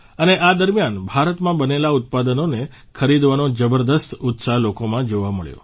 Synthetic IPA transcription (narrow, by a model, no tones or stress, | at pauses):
əneʔad̪əɾmjanbʱaɾət̪mãbənelaʊt̪̚pad̪ənone | kʰəɾid̪ʋanod͡ʒəbəɾd̪əst̪ut̪salokomãd͡ʒoʋaməɭjo̰